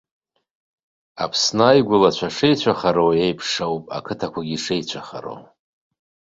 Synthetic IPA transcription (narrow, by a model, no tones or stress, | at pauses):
a̰pʰsnaaːjɡʷʊlat͡ʃʷʰaʂejt͡ɕʷʰaχaɾowjejpʰʂowpʼa̰kʰɨtʰakʷaɡʲiʂejt͡ɕʷʰaχa̰ɾo̰w